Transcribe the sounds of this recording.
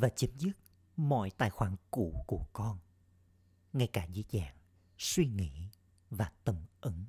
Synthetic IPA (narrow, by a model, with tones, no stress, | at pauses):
vaː˨˩t͡ɕə˨˦mzɨ˦˥t̚ | mɔ̰˧˨jt̪aː˨˩jxwaː˧˩nkṵ˧˩˨ku˧˩əkɔ˧n | ŋa˧jkaː˧˩zḭ˨˧˦zaː˧˨n | swi˧ŋḭ˧˨ | vaː˨˩t̪ə˧˩mʔə˨˦ŋ